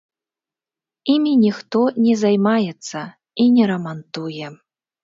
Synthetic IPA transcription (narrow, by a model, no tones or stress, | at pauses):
imʲinʲixt̪ɔnʲɛzajmajɛt̪sːɐ | inʲɛɾɐmant̪ujɛ